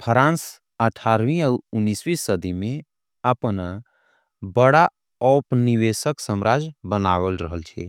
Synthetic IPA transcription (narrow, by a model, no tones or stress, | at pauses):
pʰəɾãns | əʈʰaɾʋĩəunːiswisːəd̪ʱimẽ | əpən | bəɽa | ɔpniwesəksəmɾad͡ʒbənawəlɾəɦəlt͡ʃʰɛ̰